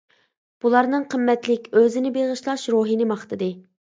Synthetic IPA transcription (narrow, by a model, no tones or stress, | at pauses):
b̥ulˠɑɾnɨŋqʰəmːɛt̪lɪkʲøzɪnɪbeʁəʃlˠɑʃɾoɦinɪmɑχt̪ɨd̪ɨ